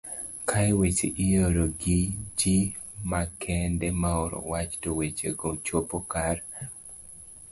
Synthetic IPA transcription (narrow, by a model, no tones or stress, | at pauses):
kʰajwet͡ʃḛʔɪjoɾoɡɪd͡ʒimakʰɛndɛmaɔɾɔ̰wat͡ʃtowet͡ʃḛɡot͡ʃwopokar